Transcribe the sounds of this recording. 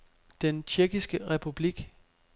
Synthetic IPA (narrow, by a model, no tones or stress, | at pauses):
d̥ent͡ɕʰeɐɡ̥isɡ̥əʁɛpʰub̥liɡ̥